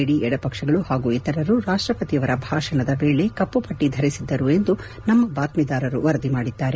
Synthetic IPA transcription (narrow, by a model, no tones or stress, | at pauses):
eɽiɛɽɐpɐkʂɐɡɐɭuhaːɡuɛt̪ɐɾɐɾuɾaːʂʈɾɐpɐt̪iɐʋɐɾɐbʱaːʂɐɳɐd̪ɐbeːɭe̞kɐpːupɐʈːid̪ʱɐɾisid̪ːɐɾue̞nd̪u | nɐmːɐbaːt̪mid̪aːɾɐɾṵʋɐɾɐd̪imaːɽid̪ːaːɾe